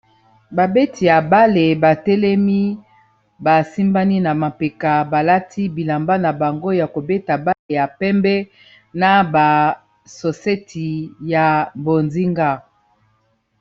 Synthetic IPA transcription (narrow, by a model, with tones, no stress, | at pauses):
ba˨be˦tʰi˨ja˨ba˦le˨ba˨tɛ˦lɛ˦mi˦ | ba˨si˦mba˦ni˦na˨ma˨pe˨ka˨ba˨la˦tʰi˦bi˨la˨mba˦na˨ba˨ŋɡo˦ja˨ko˨be˦ta˨ba˦le˨ja˨pɛ˦mbɛ˦ | na˨ba˨ | so˨se˦tʰi˨ja˨bo˨nzi˦ŋɡa˦˨